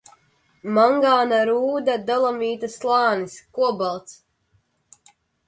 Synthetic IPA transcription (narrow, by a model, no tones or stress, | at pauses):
maŋɡaːnaɾuːd̪ad̪alˠamiːt̪aslˠɑːniskuɔbalˠt̪s